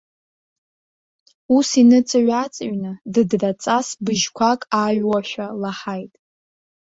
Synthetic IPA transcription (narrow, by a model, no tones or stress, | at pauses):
usinɨt͡sʼaɥat͡sʼaɥnɨdɨdrat͡sʼasbɨʒkʷʰakʼaɥwaʃᶣalaħajtʼ